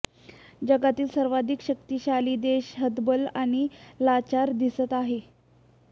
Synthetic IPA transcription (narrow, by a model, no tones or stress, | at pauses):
d͡ʑəɡat̪iːlsəɾʋad̪ʱikɕək̚t̪iːɕaliːd̪eɕɦəd̪bəlaɽ̃ilat͡ɕaɾd̪isət̪aɦe